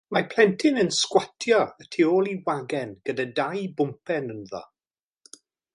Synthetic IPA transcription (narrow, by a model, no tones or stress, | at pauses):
mapʰl̥ˠɛntʰɪnənskwatʰjɔətʰioːlˠiwaɡɛnɡ̥ədadajbʊmpʰɛnənðɔ̰